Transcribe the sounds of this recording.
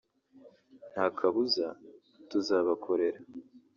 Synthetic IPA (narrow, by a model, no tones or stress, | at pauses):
n̥haːkʰaβuza | tuzaːβakʰo̞ɾe̞ɾa